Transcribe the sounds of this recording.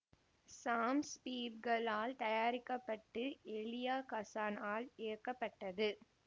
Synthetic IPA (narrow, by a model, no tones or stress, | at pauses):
saːmspiːbɡɐɭaːlt̪ɐjaːɾɪkːɐpːɐʈːɯɛɭɪjaːkɐsaːnaːlɛːɐkːɐpːɐʈːɐðɯ